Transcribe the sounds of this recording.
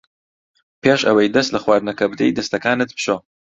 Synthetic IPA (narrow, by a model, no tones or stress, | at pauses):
pʰeːʃɐwɐjd̪ɐst̪lɐxwaːɾnɐkɐbd̪ejd̪ɐst̪ɐkaːnɨt̪̚pʃo